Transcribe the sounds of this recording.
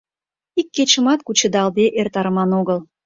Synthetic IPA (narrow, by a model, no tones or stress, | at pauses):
ikːet͡ɕə̆mɑt̪kut͡ɕə̆d̪ɑld̪eʔert̪ɑɾəmɑnoɣəl